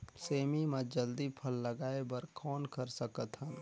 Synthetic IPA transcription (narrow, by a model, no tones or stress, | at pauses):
seːmimẽd͡ʒəld̪ipʰəlːɐɡaːebəɾkʰɔːnkəɾsəkət̪ɦən